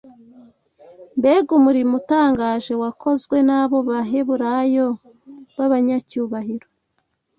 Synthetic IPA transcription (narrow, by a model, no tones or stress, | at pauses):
mbeɡumuɾimutaːŋɡaːʒe̞wakʰo̞zɡwe̞naːβo̞βaɦe̞βuɾajo̞ | βaβaɲacuːβahiɾo